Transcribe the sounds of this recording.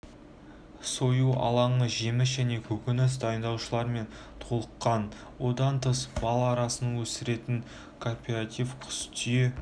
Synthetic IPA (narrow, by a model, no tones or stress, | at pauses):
so̞juʔɑ̰lˠɑɴəʒe̞mɪsʒæne̞kʲʰɵkʲɪnɪs̬d̪ɑjənd̪ɑwʃəlˠɑɾme̞n | t̪ʰo̞lˠəqːɑn | wo̞d̪ɑnt̪ʰəsbɑlˠɑːɾɑsənəɴwɵsɪɾe̞t̪ɪŋ | kʰo̞rpʲe̞ɾat̪ʲifkʲʰʏ̥st̪ʰije